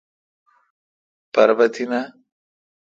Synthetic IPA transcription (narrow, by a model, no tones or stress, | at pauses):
pɐɾbɐt̪ina